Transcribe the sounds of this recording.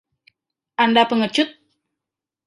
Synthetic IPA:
ʔandapəŋət͡ʃʊt̪̚

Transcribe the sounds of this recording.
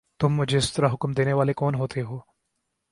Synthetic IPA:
t̪ʊmːʊd͡ʒʱeɪst̪ɐɾaɦʊkmd̪eːneʋaːlekɔːnɦoːt̪ʰeɦoː

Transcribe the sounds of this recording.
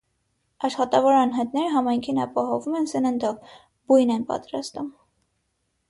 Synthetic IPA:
ɑʃχɑt̪ɑvɔɾɑnɦɑjt̪nɛɾəɦɑmɑjŋkʰinɑpɑɦɔvumɛnsənənd̪ɔv | bujnɛnpɑ̰t̪ɾɑ̰st̪um

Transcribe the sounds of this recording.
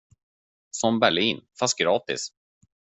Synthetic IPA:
sɔmbæɭiːnfast̪̚ɡɾɑːt̪ɪ̰s

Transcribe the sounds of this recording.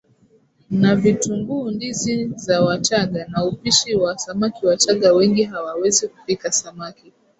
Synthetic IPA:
navituŋɡuːndizizawat͡ʃaɠanaupiʃiwasamakiwataɠawɛŋɡiɦawawɛziku̥pikasamaki

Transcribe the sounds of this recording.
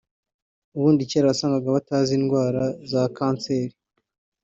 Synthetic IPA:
uβuːndiceɾaβasaːŋɡaɡaβataːziːnɡwaːɾazakaːnt͡se̞ɾi

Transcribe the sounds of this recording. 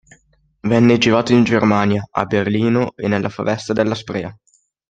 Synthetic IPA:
vɛnːed͡ʒivaːt̪oind͡ʒermaːnjaa̰berliːnoenːelːʔafa̰vɛst̪ad̪elːaspɾɛ̰ːa

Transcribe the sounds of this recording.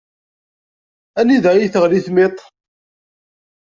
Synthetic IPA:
æniðæjiθəʁliθmet̪ˤ

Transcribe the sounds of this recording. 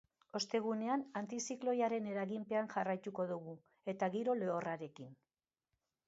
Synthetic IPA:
o̞st̪e̞ɣ̞une̞anant̪isiklo̞jaɾe̞ne̞ɾaɣimpe̞anʝarajt̪uko̞ðuɣu | e̞t̪aɣiɾo̞le̞o̞raɾe̞kin

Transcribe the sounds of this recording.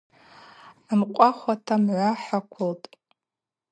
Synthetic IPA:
amqʷʼaχʷatʰamʕʷaħakʷʰʊltʼ

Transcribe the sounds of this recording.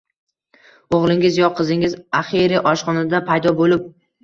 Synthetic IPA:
oʁlˠɪŋɪzjɒqʰɨzɪŋɪzaχiɾɪʔɒʃqɒnad̪apʰajd̪ɒbolɪp̚

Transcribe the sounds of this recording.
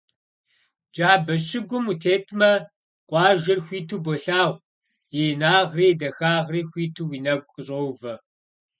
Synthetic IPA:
d͡ʒaːbɐɕɪɡʷʊmutʰeːtʰmɐ | qʷʼɑːʒɐrxʷiːtʰuːbʷɔɬaːʁʷ | jinaːʁriːdɐxaːʁriːxʷiːtʰuwiːnɐkʷʼəɕʼowvɐ

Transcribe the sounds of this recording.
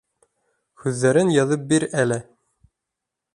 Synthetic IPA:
xʉðːæɾɘnjɑðɤp̚biɾælɘ

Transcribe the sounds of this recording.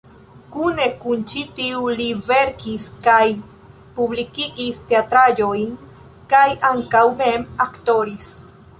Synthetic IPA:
kune̞kunt͡ʃitiulive̞ɾkiskaj | publikiɡisteat̪ɾad͡ʒojn | kajʔaŋkawme̞makto̞ɾis

